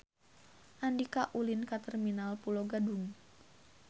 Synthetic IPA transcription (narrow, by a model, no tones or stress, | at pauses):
ʔandikaʔulinkat̪ɛrminalpuloɡaduŋ